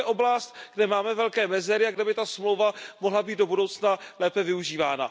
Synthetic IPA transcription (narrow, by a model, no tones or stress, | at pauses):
ʔo̞blast̪ɡdɛmaːmɛvɛlkɛːmɛzɛɾɪaɡdɛbɪt̪asmlowvamoɦlabiːd̪dobudowt͡snalɛːpɛvɪuʒiːvaːna̰